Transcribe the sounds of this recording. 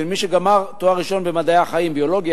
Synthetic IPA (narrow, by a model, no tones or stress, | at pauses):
miʃeɡamaʁt̪oaʁiʃo̞nbemad̪ajaχaimbio̞lo̞ɡj